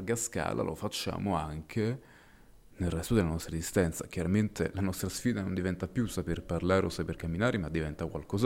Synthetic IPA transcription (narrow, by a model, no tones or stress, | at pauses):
rɡaska̰ːla̰lʔo̰fat͡ʃːa̰ːmoaŋkʰe | nelrɛst̪od̪elanɔst̪ɾezist̪ɛnt̪sak̟jaɾament̪elanɔst̪ɾasfiːd̪anond̪ivɛnt̪apjusaperparlaːɾeosaperkamːinaːɾemad̪ːivɛnt̪akwa̰lkɔːza